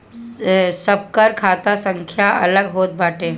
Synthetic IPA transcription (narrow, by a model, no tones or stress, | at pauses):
səb̚kəɾkʰaːt̪asə̃ŋkʰjaɐ̰ləɡɦoːt̪̚baːʈe